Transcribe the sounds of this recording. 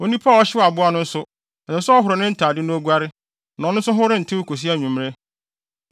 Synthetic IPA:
o˦nĩ˦pʰa˦˨ɔ˦ɕɪ˦˨a˨bʊ˦a˦nʊ̃˦n̩˦sʊ˦ | ɛ˨ɛ̃˨˦sʊ˦ɔ˦ɦʊ˨ɾʊ˨nɪ̃˦n̩˦tʰaː˨dɪ˦nʊ̃˦o˦ɡʷa˦ɾɪ˦ | nã˨˦nʊ̃˦n˦sʊ˦ɦʊ˦ɾɪ̃˦n̩˨tʰɪ̃˦kʰo˨s̬i˦a˦˨ɲũ˨m˦ɾe˦

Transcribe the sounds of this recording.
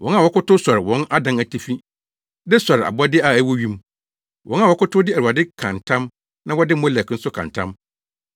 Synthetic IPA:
wɔ̃˦na˨wɔ˦kʊ˦tʊ˦sɔ˨ɾɪ˨wɔ̃˦na˦dã˦næ˨tʰi˦fĩ˦ | dɛ˦sɔ˨ɾa̰˨bʊ˦a˦dɪ˦a˨æ˨wɔ˦ɥĩ˦m | wʔɔ̃˦na˨wɔ˨˦kʊ˦tʰʊ˦dɪ˦æ˨u˨a˨dɪ˦kʰã̰˨ntʰã˦m | nã˦wɔ˦dɪ˦mɔ̃˦lɛ˨kn̩˦sʊ˦kʰã̰˨ntʰã̰˦m

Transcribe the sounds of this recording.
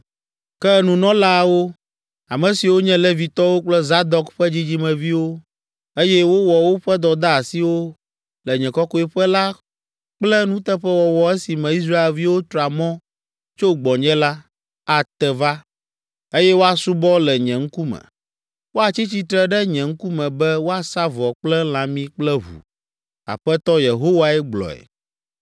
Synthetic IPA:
kɛ˦nũ˨nɔ̃˦la˦wo˦ | a˨mɛ̃˨si˨wo˦ɲɛ̃˦lɛ˦vi˨t̪ɔ˦wo˦k͡plɛ˦za˦d̪ɔ˦kɸɛ˦d͡ʑi˦d͡ʑi˦mɛ̃˨vi˦wo˦ | e˦jɛ˦wo˦wɔ˨wo˦ɸɛ˦d̪ɔ˨d̪a˦a˨si˦wo˦ | lɛ˨ɲɛ̃˨kɔ˦kɔ˦ɛ˦ɸɛ˦la˦ | k͡plɛ˦nũ˦t̪ɛ˦ɸɛ˦wɔ˨wɔ˨ɛ˦si˨mɛ̃˨i˦s̬ɾa˦e˨lvi˦wo˦t̪ɾɔ˨a˨mɔ̃˦ | t͡ʃo˦ɡ͡bɔ̃˨ɲɛ̃˦la˦ | a˨t̪ɛ˨va˦ | e˦jɛ˦wo˦a˨su˦bɔ˦lɛ˨ɲɛ̃˨ŋ̩˦ku˦mɛ̰̃˨ | wo˦a˨t͡ɕi˦t͡ɕi˦t̪ɾɛ˦ɖɛ˦ɲɛ̃˨ŋ̩˦ku˦mɛ̃˨bɛ˦wo˦a˨sa˦vɔ˨k͡plɛ˦l̃ã˨mĩ˦k͡plɛ˦βṵ˨ | a̰˨ɸɛ˦t̪ɔ˦je˨ɦo˦wa˦ɛ˦ɡ͡blɔ̰˨ɛ̰˨

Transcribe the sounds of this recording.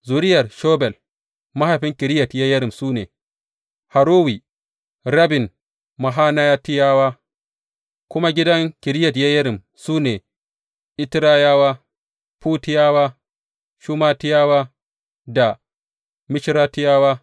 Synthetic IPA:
zu˨ɾɪ˦jɐ˨rʃoː˦bɛ˨l | ma˦ha˨ɸɪ˦ŋkʲɪ˨ɾɪ˦jɐ˨tjɐ˦jɐ˦ɾɪ˨msuː˦nḛː˨ | ha˨ɾoː˦wi˨ | ɾa˦bɪ˨n | ma˨ɦaː˦na˦ja˦ti˦jaː˦waː˦ | kʷʊ˦ma˦ɡʲɪ˦dɐ˦ŋkʲɪ˨ɾɪ˦jɐ˨tja˦jɐ˦ɾɪ˨m | suː˦neː˨ | ʔɪ˦tɾa˦jaː˦waː˦ | puː˦tɪ˦jaː˦waː˦ | ʃu˦maː˦tɪ˦jaː˦waː˦ | da˨ | mɪ˦ʃɾaː˦tɪ˦jaː˦waː˦

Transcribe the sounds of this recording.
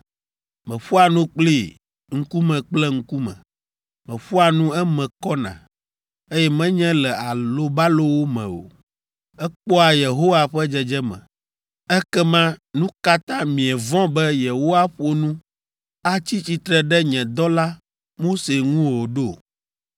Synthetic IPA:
mɛ̃˨ɸu˦a˨nũ˦k͡pli˦˨ | ŋ̩˦ku˦mɛ̃˨k͡plɛ˦ŋ̩˦ku˦mɛ̰̃˨ | mɛ̃˨ɸu˦a˨nũ˦ɛ˦mɛ̃˨kɔ˦nã̰˨ | e˦jɛ˦mɛ̃˦ɲɛ̃˦lɛ˨a˨lo˦ba˦lo˦wo˦mɛ̰̃˨o̰˨ | ɛ˦k͡pɔ˦a˨je˨ɦo˦wa˨ɸɛ˦d͡ʒɛ˨d͡ʒɛ˦mɛ̰̃˨ | ɛ˦kɛ˦mã˦nũ˦ka˦t̪ã˦mĩ˨ɛ˨vɔ̃˦bɛ˦je˨ɦo˦wa˦ɸo˨nũ˦ | a˦t͡ɕi˦t͡ɕi˨t̪ɾɛ˨ɖɛ˦ɲɛ̃˨d̪ɔ˦la˦ | mo˦se˨ŋũ˦wo˨ɖo˦˨

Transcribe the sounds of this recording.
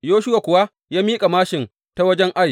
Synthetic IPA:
joː˦ʃʊ˦wa˨kʷʊ˨wa˦ | jaː˦miː˦kʼa˨maː˦ʃɪ˨n | ta˦wɐ˦d͡ʒɛ˦ŋʔa˦j

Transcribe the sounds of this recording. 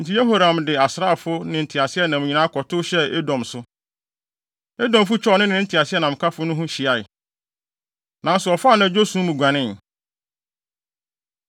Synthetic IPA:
n̩˨tʰi˦je˦ɦo˦ɾã˨mdɪ˨a˨sɾa˦˨fʊ˦nɪ̃˨n̩˨tʰi˨a˨sɪ˦ɛ˦nã˨m̃˨ɲĩ˨nã˦kʰɔ˨tʰʊ˦ɕɛ˦e˦dɔ̃˨msʊ˦ | e˦dɔ̃˨mfʊ˦t͡ɕʰᶣɔ˦˨˦nɪ̃˦nɪ̃˨˦n̩˦tʰi˨a˨sɪ˦ɛ˦nã˨m̩˨kʰa˦fʊ˦nʊ̃˦ɦʊ̃˦ɕi˨a˦˨ɪ˨ | nã˨n˦sʊ˨ɔ˨faː˦nã˨d͡ʑo˦sũ˦mũ˨ɡʷã˨nɪ̃˦n

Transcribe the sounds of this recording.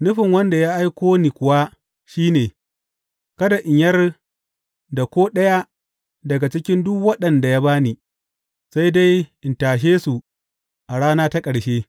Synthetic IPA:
nʊ˦ɸɪ˨ŋwɐ˦nda˨ja˦ʔa˦jkʷoː˦niː˨kʷʊ˨wa˦ | ʃiː˦neː˨ | kɐ˦da˨ʔɪ˨ɲjɐ˦r | da˨kʷoː˦ɗɐ˦ja˦ | dɐ˨ɡa˨t͡ʃɪ˦kʲɪ˦ndʊ˦kwɐ˦ɗɐ˨nda˨jaː˦baː˦niː˨ | sa˦jda˦jʔɪ˨ntaː˨ʃ̬eː˦su˨ | ʔa˨ɽaː˦naː˦ta˦kʼɐ˨ɽʃeː˦

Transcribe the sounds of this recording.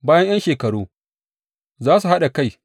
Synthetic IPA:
baː˦jɐ˦ɲj̰ɐ˦nʃeː˨kɐ˨ɽoː˦ | zaː˦su˨ha˦ɗa˨ka˦˨j

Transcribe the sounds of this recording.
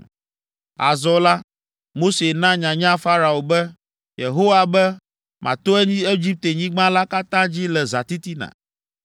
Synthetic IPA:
a̰˨zɔ˨la˦ | mo˦se˨nã˦ɲã˨ɲã˦fa˦ɾa˨o˨bɛ˦ | je˨ɦo˦wa˨bɛ˦ | mʔã̰˨t̪o˦ɛ˦ɲĩ˦e˦d͡ʑi˦p̚t̪e˨ɲĩ˦ɡ͡bã˦la˦ka˦t̪ã˦d͡ʑi˦lɛ˨za˨t̪i˦t̪i˦nã̰˨

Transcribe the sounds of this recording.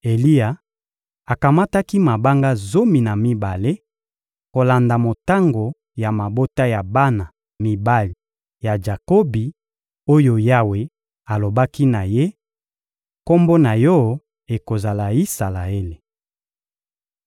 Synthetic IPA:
e˨li˦a˨ | a˨ka˨ma˦ta˦ki˦ma˨ba˦ŋɡa˦zo˦mi˨na˨mi˦ba˨le˦ | ko˨la˨nda˨mo˨ta˦ŋɡo˨ | ja˨ma˨bo˦ta˦ja˨ba˦na˨ | mi˨ba˦li˨ | ja˨d͡ʒa˨ko˦bi˨ | o˦jo˦ja˦we˨ | a˨lo˨ba˦ki˦na˨je˦ | ko˦mbo˦na˨jɔ˦ | e˨ko˨za˨la˨i˦sa˨la˨e˦le˨

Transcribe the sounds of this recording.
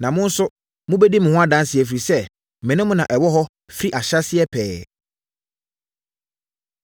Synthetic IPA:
nã˨mʊ̃˦n̩˦sʊ˦ | mʊ̃˦be˦di˦mɪ̃˨hʊ̃˦a˦dã˦n˦sɪ˨ɛ˨fɾi˨sɛ˦˨ | mɪ̃˨nʊ̃˦mʊ̃˦nã˨ʔɛ˨wɔ˦ɦɔ˦ | fɾi˦ʔa˨ɕa˦sɪ˦ɛ˦pʰɛː˨

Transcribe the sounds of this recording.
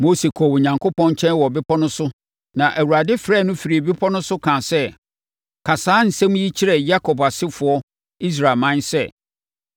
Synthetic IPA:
mo˦se˨kʰɔ˨wʊ˨ɲã˨ŋkʰʊ˦pʰɔ̃˦nt͡ɕʰɛ̃˦nwɔ˨bɪ˦pʰɔ˦nʊ̃˦sʊ˦ | nã˨ʔæ˨wu˨ɾa˨dɪ˦fɾɛː˦˨nʊ̃˦fi˨ɾi˨e˨bɪ˦pʰɔ˦nʊ̃˦sʊ˦kʰã˨sɛ˦ | kʰa˨saː˦n̩˨sɛ̃˦m˦ji˦t͡ɕʰi˦ɾɛ˨ja˦kʰɔ˨ba˨sɪ˦fʊ˨ɔ˦ | i˦s̬ɾa˨mã˦nsɛ˦˨

